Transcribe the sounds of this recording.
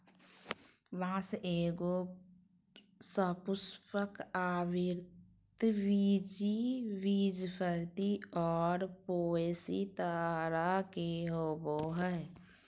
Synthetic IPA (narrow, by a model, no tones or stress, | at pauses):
ʋãːseːɡo | səpʊspəkaːbiɾ | t̪ʋid͡ʒiʋid͡ʒpʰəɾt̪iɔːɾpoesit̪aɾakeɦoboɦə